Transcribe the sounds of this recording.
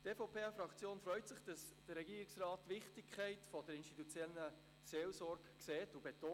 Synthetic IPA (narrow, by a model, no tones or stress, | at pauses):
teːfopʰeːɑfɾɑkt͡sjoːnfɾœʏtsɪχd̥ɑsd̥əɾɾɛɡiːɾɪksrɑːtːʋɪχtɪkʰχæɪtfɔd̥əɾɪnʃtitut͡sjɛlə | seːlsɔɾɡkseːtubet̪oː